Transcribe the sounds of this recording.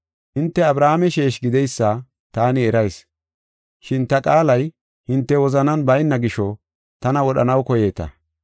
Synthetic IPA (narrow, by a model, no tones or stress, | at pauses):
hɪnt̪ːɛɐbɾaːmɛʃeːʃɡɪd̪ɛjsːaː | t̪aːnɪɛɾɐjs | ʃɪnt̪ɐkʼaːlɐj | hɪnt̪ːɛwɔzɐnɐnbɐjnːɐɡɪʃɔ | t̪ɐnɐwɔɗɐnɐwkɔje̞ːt̪ɐ̰